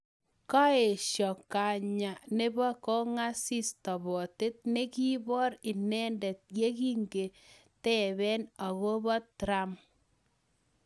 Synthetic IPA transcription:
ka˦e˨ʃjɔ˨kːa˨ɲa˨ne˦bɔ˦kɔ˦ŋa˦si˦stɔ˨bɔ˨te˦t̚ne˦ki˦bɔ˦ɾi˨nɛ˦ndɛ˨t̚je˦ki˦ŋɡe˨ | tɛ˦βɛ˦na˨ɣo˦bɔ˦tɾa˦m

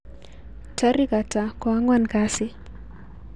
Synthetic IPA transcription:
ta˦ɾi˦ka˨ta˨kɔ˨a˦ŋwa˦nka˦sɪ˦

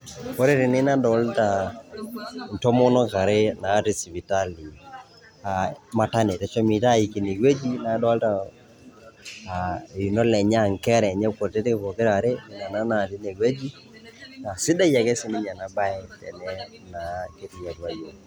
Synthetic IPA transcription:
kɔ˦ɾe˦ɾɪ˨nɪ˦na˦dɔ˨˦lta˨ | n̩˨tɔ˦mɔ˦nɔ˦ka˨ɾe˦na˨˦ti˨si˨vi˨ta˦li˨ | a˨ma˨ta˦ne˨tɛ˨t͡ʃɔ˦mi˨ta˦˨i˨ki˨ni˨ɡe˦d͡ʒi˦na˨˦dɔ˦lta˨ | i˨nɔ˦lɛ˨ɲɛ˦a˨ŋ˨kɛ˦ɾɛ˨ɲɛ˦ko˨ɾte˦te˦kɔ˨kɪ˦ɾa˨ɾe˦˨na˨na˦na˨ti˦ne˨ɡwe˦d͡ʒi˦ | a˨sɪ˦da˦ja˨kɛ˦sɪ˨˦nɪ˦ɲa˨na˨ba˦ɛ˦tɛ̰˨nɛ˦ | na˨ke˦ti˨ja˨twa˨jo˨

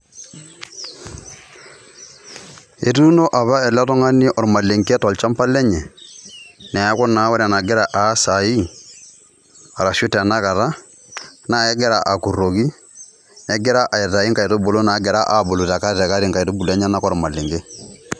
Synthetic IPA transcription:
e˨tu˦no˦ʔa˨βa˦ɛ˨lɛ˦tɔ˦ŋa˦ni˦ʔɔ˨ɾma˨le˨ŋkɛ˦tɔ˨lt͡ʃa˦mpa˦lɛ˦ɲɛ˨ | nɛ˨a˦kɔ˦na˨˦wɛ˦ɾa˨na˨ɡe˦ɾa˨ʔaː˨˦sa˨i˦ | a˨ɾa˨ʃu˦tːna˦ka˨ɾa˦ | na˨ɛ˦ɡɛ˦ɾa˨ʔa˨ku˨ro˨ki˦ | ɛ˦ɡɛ˦ɾa˦ʔa˨ɛ˨ta˨i˦ŋka˨i˨to˦bo˨lo˦na˨˦ɡɛ˨ɾa˦ʔa˨bo˨lu˨ta˨ka˦tɛ˨ka˦ɾi˦ŋka˨i˨to˦bu˨lɛ˦ɲa˦na˦kɔ˦ɾma˨le˨ŋɡe˦

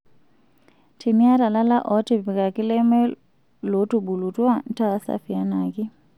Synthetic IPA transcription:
tʰi˨mi˦a˦ta˨la˦la˦ʔɔ˨˦ti˦˨pi˨ka˨ki˦lɛ˦mɛ˦ | lɔ˨˦tu˨ɓu˨lu˨twa˦n̩˦ta˦sa̰˦fi˨a˦na˨ki˦

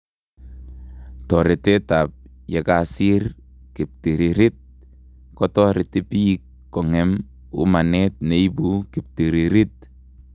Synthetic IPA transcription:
tɔ˨ɾɪ˨te˦tap̚je˨ka˨si˦r | kɪ˨p̚ti˨ɾiɾɪ˦t̚ | kɔ˦tɔ˦ɾɪ˨tɪ˦pi˦kː | ɔ˨ŋɛ˨m | ṵ˦ma˨net̚ne˨jbu˦kɪ˨p̚ti˨ɾi˨ɾi˦t̚

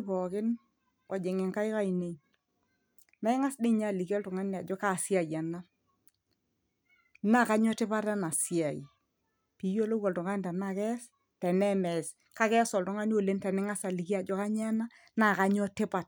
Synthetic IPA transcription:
bɔ˨kɪ˦n | wɔ˨d͡ʒe˨ŋɛ˨ŋka˦jka˦i˨ne˨ | mɛ˦ŋa˦sdɪ˦˨ɲa˦˨li˨ki˦ɔ˦ltʊ˨ŋa˦n˨a˨d͡ʒɔ˦ka˨si˦a˨ja˨na˦ | na˦˨ka˦ɲɔ˦tɪ˦pa˦ɾa˦na˨si˦˨a˨i˨ | pi˨˦jo˦lo˦kɔ˨ltʊ˨ŋa˦n˨ta˨na˦˨kɛ˦s | tɛ˨nɛ˦mɛ˨s | ka˦kɛ˦sɔ˨ltʊ˦ŋa˦n˦o˨le˦ntɛ˨nɛ˦ŋa˦sa˨li˨ki˦a˨d͡ʒɔ˦ka˦ɲa˦na˦ | na˨ka˦ɲɔ˦tɪ˦pa˨t̚

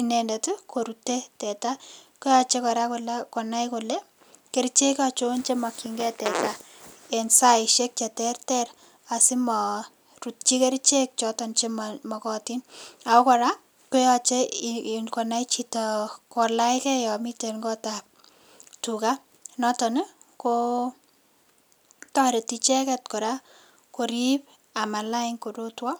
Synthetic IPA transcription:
i˨nɛ˨ndetu˦ko˨ɾu˨te˦tɛ˨ta˦ko˦ja˨t͡ʃe˦kɔ˨ɾa˦kolakɔ˨na˦jkolɛ˦ | ke˦ɾt͡ʃe˦kat͡ʃo˦nt͡ʃe˦ma˨ki˨ŋɡɛ˦tɛ˨ta˦ | ɛ˨nsa˦ɪʃe˦k̚t͡ʃɛ˨tɛ˦rtɛɾ | a˨si˦mɔ˨ | ru˨t̚t͡ʃi˦ke˦ɾt͡ʃe˦k̚t͡ʃɔtɔ˨nt͡ʃemamɔ˨kɔ˦ti˦na˨ɔ˦kɔ˨ɾa˦ | kɛ˦jat͡ʃɛɪnkɔ˨najt͡ʃitakɔ˨laɪkɛ˦jɔ˨mitenɡɔ˦tap̚ | tuka˦ | nɔ˦tɔ˨nɛ˦ko | tɔɾe˨tit͡ʃɛ˦kɛt̚kɔ˨ɾa˦ | ko˨ɾip | a˨ma˨laɪŋko˨do˦twɔ˦

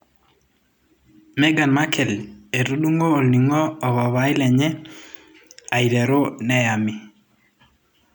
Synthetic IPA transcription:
mɛ˦ɡa˨nma˦kʰɛ˨le˨ɾu˦ɗu˦ŋoː˦˨lni˨ŋɔː˦˨βa˨βa˨˦i˦lɛ˨ɲɛ˦ | a˨i˨ɾɛ˨ɾo˦nɛ˦ja˨mi˨

